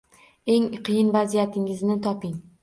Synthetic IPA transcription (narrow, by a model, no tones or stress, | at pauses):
e̞ŋqʰɨjɪnvazijat̪ʰɪŋɪznɪt̪ʰɒpɪŋ